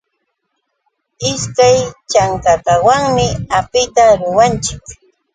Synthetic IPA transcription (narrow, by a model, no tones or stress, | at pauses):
ɪskajt͡ʃaŋkakawaŋmɪapɪt̪aɾʊwant͡ʃɪk